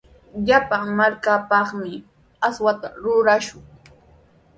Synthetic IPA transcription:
ʎapaŋmaɾkapɑχmɪ | aswat̪aɾʊɾaʃʊŋ

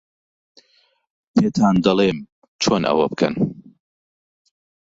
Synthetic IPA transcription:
t̪ʰeːt̪ʰaːnd̪ɐlˠem | t͡ʃʰoːnʔɐ̰wɐ̰bɨkʰɐ̰n

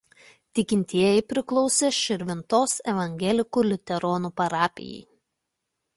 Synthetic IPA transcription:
t̪ʲɪkʲɪnʲt̪ʲiɛjɛɪpʲɾʲɪklˠɔʊsʲeːʃʲɪɾʲʋʲɪnt̪oːsɛʋɐŋʲɡʲɛlʲɪkuːlʲɪt̪ʲɛɾɔnuːpɐɾɑːpʲɪ̰jɛ̰ɪ

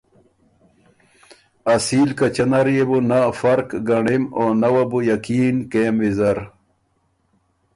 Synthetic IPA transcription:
ɐsilkɐt͡ɕɐnaɾjebunafɐɾkɡɐɳimonɐwɐbujɐkiːnkemwizɐɾ

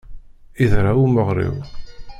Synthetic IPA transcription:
iðɾawuməʁɾḭw

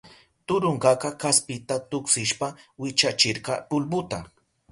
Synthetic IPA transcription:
t̪ʊɾoɴɢɑkɑkaspɪt̪at̪ʊksɪʃpawɪt͡ʃat͡ʃɪɾɢɑpʊlbʊt̪a

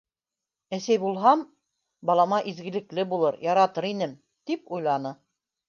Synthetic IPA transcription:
æsæjbulˠɦɑm | bɑlˠɑmɑʔizɡɘ̆lɘ̆klɘbulˠɤɾjɑɾɑt̪ɤɾinɘm | t̪ipujlˠɑnɤ

